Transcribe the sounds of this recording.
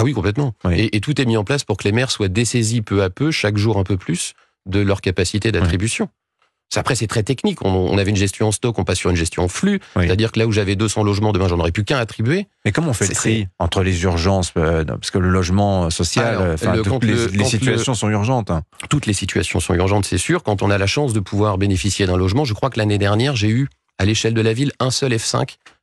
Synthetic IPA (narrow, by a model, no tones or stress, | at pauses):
awikɔ̃plɛt̪mɑ̃weʔet̪ut̪ɛmiɑ̃plaspuʁkəlemɛʁswad̪esezipøapøʃakʒuʁɛ̃pøplys | d̪əlœʁkapasit̪ed̪at̪χibysjɔ̃ | sapχɛsɛt̪χɛt̪ɛknikɔ̰̃ɔ̰̃navɛynʒɛst̪ʰjɔ̃ɑ̃st̪ɔkɔ̃pasːyʁynʒɛst̪jɔ̃ɑ̃flyet̪ad̪iʁkəlauʒavɛd̪øsɑ̃lɔʒmɑ̃d̪əmɛ̃ʒɑ̃nɔʁɛpykɛ̃at̪χibɥemɛkɔmɔ̃fɛsɛiɑ̃t̪χəlezyʁʒɑ̃spḁskələlɔʒmɑ̃sɔsjall̃fɛl̃əkɑ̃t̪əleɑ̃tsit̪yassjɔ̃sɔ̃yʁʒɑ̃t̪t̪ut̪lesit̪ɥa̰sjɔ̃sɔ̰̃yʁʒɑ̃t̪sɛsyʁkɑ̃t̪ɔ̃nalaʃɑ̃sd̪əpʰuvwaʁbenefisjed̪ɛ̃lɔʒmɑ̃ʒəkχwaklaned̪ɛʁnjɛʁʒey | aleʃɛld̪əlavilɛ̃sœlɛfsɛ̰̃k